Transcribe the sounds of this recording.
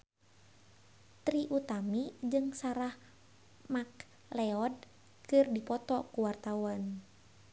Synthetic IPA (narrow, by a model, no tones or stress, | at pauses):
t̪ɾiʔut̪amid͡ʒɨŋsaɾah | mak̚ | lɛɔd̚ | kɨrdipɔt̪ɔkuwart̪auan